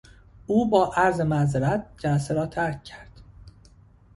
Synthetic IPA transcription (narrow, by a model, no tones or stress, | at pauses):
ʔuːbɒːʔæɾzemæzeɾæt̪̚d͡ʒælæseɾɒːt̪ʰæɾcʰcʰæɾd̪̥